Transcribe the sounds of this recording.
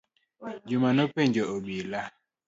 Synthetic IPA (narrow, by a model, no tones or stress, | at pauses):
d͡ʒʊmanopeɲd͡ʒɔobila